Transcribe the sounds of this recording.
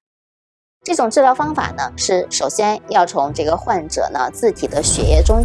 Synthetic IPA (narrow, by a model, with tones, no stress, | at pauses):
ʈ͡ʂɤ˥˩ʈ͡ʂʊ˨˩ŋʈ͡ʂɻ̩˥˧ljʊfɑ˥ŋfa̰˨˩nə˦ʂɻ̩˥˩ʂo˨˩ʊɕjɛ˥njɑ˥˩ʊt͡sʰʊ˧˥ŋʈ͡ʂɤ˥˩ɡə˩xwa˥˩nʈ͡ʂɤ̰˨˩nə̰˦t͡sɹ̩˥˩t̪ʰi˨˩d̪ə˦ɕɥɛ̰˧˥jɛ˥˧ʈ͡ʂʊ˥ŋ